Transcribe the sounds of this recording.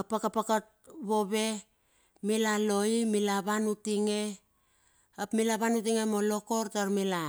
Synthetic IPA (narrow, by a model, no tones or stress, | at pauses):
apakapakat̚βo̞βe̞ | milalo̞imilaβanutiŋe̞ | apmilaβanutiŋemolo̞koɾtaɾmila